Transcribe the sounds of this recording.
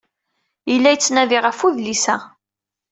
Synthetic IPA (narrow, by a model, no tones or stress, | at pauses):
jəlːæjət͡sːnæðiʁəfuðlisæ